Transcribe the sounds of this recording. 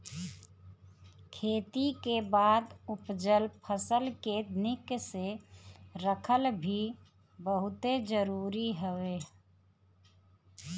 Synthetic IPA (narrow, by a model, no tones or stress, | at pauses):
kʰeːt̪ikebaːd̪ʊpd͡ʒəlpʰəsəlkenɪkse | ɾəkʰəlbʱi | bəɦʊt̪ed͡ʒəɾuːɾiɦəʋeː